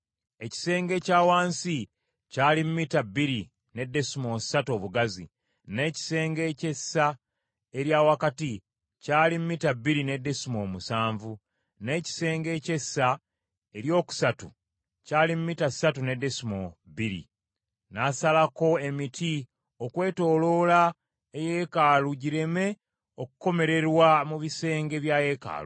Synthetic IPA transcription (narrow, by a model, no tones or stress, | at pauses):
e̞ci̥se̞ːŋɡe̞caːwaːnsi | caːlimumitabːiɾi | ne̞dːe̞simo̞satuo̞ːβuɡazḭ | ne̞ci̥se̞ːŋɡe̞ːce̞sːa | e̞ɾjaːwakati | caːlimmitabːiɾine̞dːe̞simo̞musaːɱvu | ne̞ːci̥se̞ːŋɡe̞ːce̞sːa | e̞ɾjo̞ːku̥satu | caːlimumitasatune̞de̞simo̞biɾḭ | nasalako̞e̞mitʰi | o̞kwe̞ːto̞ːlo̞ːla | eje̞kaːluɟiɾe̞me̞ | okuko̞me̞ɾe̞ɾwamuβise̞ːŋɡe̞βjaje̞ka̰ːlṵ